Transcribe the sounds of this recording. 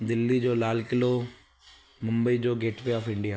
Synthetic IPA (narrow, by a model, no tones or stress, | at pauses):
d̪ɪlːid͡ʒoːlaːlkɪlo | mʊ̃mbəid͡ʒoːɡeːʈpeɔːpʰɪ̃ɳɖijaː